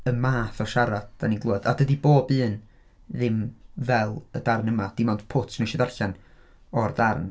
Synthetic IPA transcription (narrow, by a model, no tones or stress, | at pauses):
əmaːθɔʃaɾad̚d̥aniɡlˠuədadədiboːbɨːn | ðɪmvɛlˠə̰darnəmad̥ɪmɔndpʰʊtʰnəʃɛdarɬan | ɔrdarn